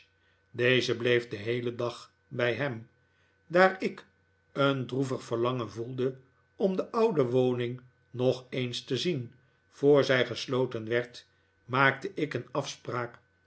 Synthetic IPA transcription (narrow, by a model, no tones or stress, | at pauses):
deɪzəblejfdəɦejlədɑχ | bɛjɦɛm | daːɹɪk | əndruvəχfəʁlɑŋənvulˠdə | ɔmdəʔʌwdəʋownɪŋ | nɔχejnstəzin | v̥oːɹzɛjχəslowtənʋɛɹt | maːk̚təʔɪkənɑfspraːk